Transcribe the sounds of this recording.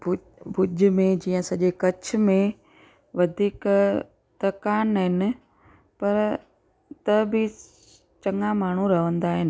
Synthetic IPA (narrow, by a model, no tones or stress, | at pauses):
b | bʊʄmẽd͡ʑiːə̃sɐʄekɐt͡ɕ̆ʰmẽ | ʋɐd̪ʱiːk | t̪ɐkaːnːɐɦɪnɪ̆ | pɐɾ | t̪ɐbʱɪ | t͡ɕɐŋamaːɳ̤ũɾɐʋə̃nd̪aːɦɪnɪ̆